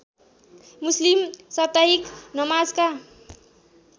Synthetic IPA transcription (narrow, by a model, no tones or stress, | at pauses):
muslimsʌt̪aɦiknʌmad͡zka